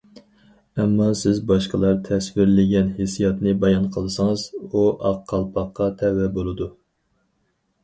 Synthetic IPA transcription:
ɛmːɑsɪzbɑʃqəlˠɑɾt̪ʰɛswɪɾlɪɡʲɛnhesijɑt̪nɨbɑjɑnqʰəlˠɨsɨŋɨzuʔɑqʰːɑlˠpʰɑqːɑt̪ʰɛwɛbolˠɨd̪u

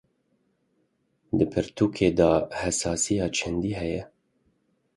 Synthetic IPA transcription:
d̪ɨpʰɨɾt̪ʰuːkʰeːd̪ɑːhɛsɑːsijɑːt͡ʃʰɛnd̪iːɦɛjɛ

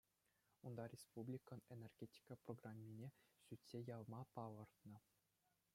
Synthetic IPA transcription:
und̪ɑrʲespublʲikɤ̆nenʲerɡʲetʲi̥kəproɡramʲːinʲeɕytʲsʲejɑlˠmɑpɑlˠɤ̆rt̪nɤ̆

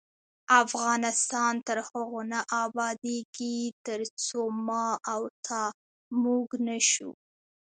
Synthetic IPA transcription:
afɣɑnɪst̪ɑnt̪əɾhəɣonaʔɑbɑd̪eɡit̪əɾt͡somɑawt̪ʰɑ | muɡnəʃṵ

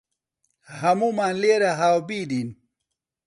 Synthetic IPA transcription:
hɐmumaːnleːɾaɦaːwbiːdin

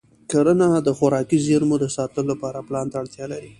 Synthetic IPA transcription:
kaɾənad̪əxʊɾɑkizeɾmod̪əsɑt̪əlolapɑɾaplɑnt̪aːɽt̪jɑlaɾi

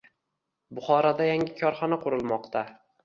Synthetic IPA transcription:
bʊχɒɾad̪ajaŋʲɪkʲʰɒɾχɒnaqʰʊɾɨlˠmɒqt̪ʰa

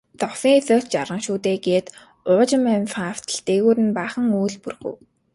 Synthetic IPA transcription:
t͡s̪ɔsiŋesʊːt͡ɕt͡ɕaɾʁə̆ŋʃuːt̪eːɡeːt̪ | ʊːt͡ɕɪ̆mænfaft̪ʰə̆ɮt̪eːɣuːɾɘ̆npæːχə̆ŋujɮpurɣṵ̆w

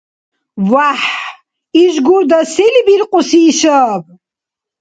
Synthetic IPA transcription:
vaħ | iʒɡuɾd̪asilibiɾqʼusiːʃab

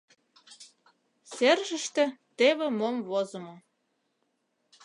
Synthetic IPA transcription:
serʒə̆ʃt̪ĕt̪eβĕmomvozə̆mo

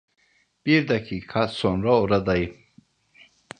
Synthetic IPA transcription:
b̥iɾd̪akʰikʰasɔnɾɔɔɾad̪ai

